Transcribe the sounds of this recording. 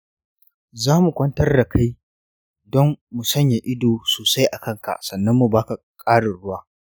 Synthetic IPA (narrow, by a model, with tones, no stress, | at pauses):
zaː˦mu˨kʷɐ˦ntɐ˦rda˨kʰa˦j | dɔ˦mːu˨sɐ˦ɲja˨ʔɪ˦doː˨soː˨sa˦jʔa˨kɐ˦ŋka̰˨ʔsɐ˨nːɐ˦mːu˨baː˦ka˨ | kʼaː˦ɽɪ˨ɽʊ˦waː˦